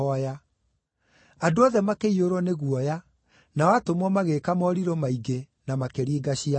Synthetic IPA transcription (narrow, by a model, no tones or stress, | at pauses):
ɔja | adoɔðɛmakeioɾɔneɣuɔja | nawatomɔmaɣekamɔɾiɾɔmaiɡe | namakeɾiːɡaɕia